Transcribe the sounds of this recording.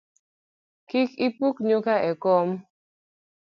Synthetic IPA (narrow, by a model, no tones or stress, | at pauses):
kikipukɲokaʔɛkɔm